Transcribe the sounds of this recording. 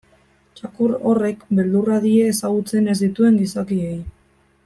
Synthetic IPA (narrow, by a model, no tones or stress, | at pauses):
t͡ʃakuɾo̞re̞kbe̞ld̪uraðieːsaɣut͡se̞ne̞zd̪it̪ue̞ŋɡisakie̞j